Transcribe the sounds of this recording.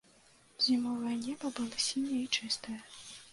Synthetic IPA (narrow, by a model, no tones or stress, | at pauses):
zʲimɔvɐjnʲɛbɐbɨlˠɐsʲinʲɛit͡ʂɨst̪ɐjɐ